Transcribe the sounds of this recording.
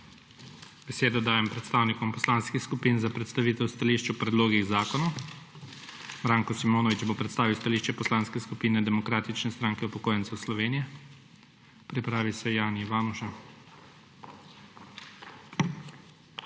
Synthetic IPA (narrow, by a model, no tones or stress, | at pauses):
b̥ɛseːd̪ɔd̪aːjɛmpɾɛt̪st̪aːwnikɔmpɔslaːnskixskupiːnzapɾɛt̪st̪aʋiːt̪ɛwst̪aliːʃt͡ʃupɾɛd̪loːɡiɣzaːkɔnɔ | mɾaːŋkɔsimoːnɔʋit͡ʃbopɾɛt̪st̪aːʋiwst̪aliːʃt͡ʃɛpɔslaːnskɛskupiːnɛd̪ɛmɔkɾaːt̪it͡ʃnɛst̪ɾaːŋkɛupɔkoːjɛnt̪sɛwslɔʋeːnijɛ | pɾipɾaːʋisɛjaːniiʋaːnuʃa